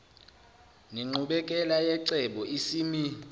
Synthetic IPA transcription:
niŋ͡ǃʱuɓɛkʼɛlajɛǀɛɓɔisiːmi

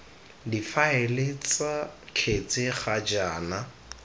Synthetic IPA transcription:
difaelet͡sakʰet͡sʼɪχad͡ʒaːna

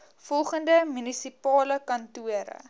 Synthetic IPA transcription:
fɔlˠχəndəmynisipɑːləkɐntuəɾə̰

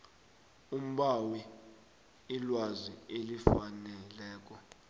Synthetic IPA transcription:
um̩ɓawi | ilwazḭelifanɛlɛːk̬ɔ

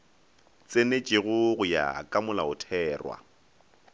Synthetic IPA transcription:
t͡sʼenet͡ʃʼɪɣʊɣʊja̰kʼamʊlaʊtʰɛːrwa̰

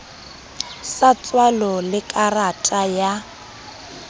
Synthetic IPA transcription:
sat͡sʼwalɔlɪkʼaratʼaja

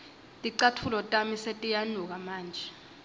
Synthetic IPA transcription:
tʼiǀatʰulɔtʼamisetʼijanuk̬amaːnd͡ʒʱɛ

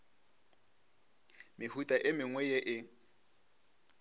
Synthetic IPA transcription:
mɪhutʼaʔɪmɪŋwɛjeʔɪ

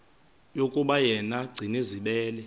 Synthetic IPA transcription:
jokʼuɓajɛnaɡ͡ǀʱiniziɓɛːlɛ

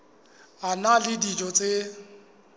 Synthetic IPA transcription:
analɪdid͡ʒɔt͡sʼɪ

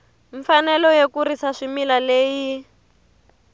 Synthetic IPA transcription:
ɱfanɛlɔjekuɾisaʂimilaleːji

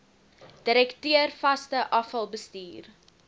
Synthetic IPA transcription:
d̥əɾɛktyərfɐstəʔɐfɐlˠbəstiːr

